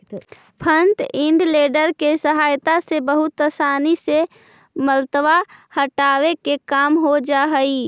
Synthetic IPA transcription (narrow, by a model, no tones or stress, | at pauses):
pʰəɳʈɪ̃ɳɖleːɖəɾkesəɦaːjt̪asebəɦʊt̪əsaːnise | məlt̪wahəʈaːwekekaːmɦod͡ʒaːɦəi